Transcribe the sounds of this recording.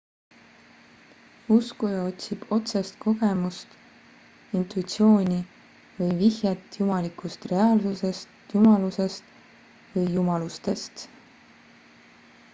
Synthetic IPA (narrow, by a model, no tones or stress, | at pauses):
uskujɑo̞t̪ʲsib̥o̞t̪sest̪̚ko̞ɡemust̪ | int̪ˑuit̪sio̞ːnʲi | vɯjvihjɑt̪jumɑlikːˑust̪re̞ɑːlsuse̞st̪jumɑluse̞st̪ | vɯjːumɑlust̪e̞st̪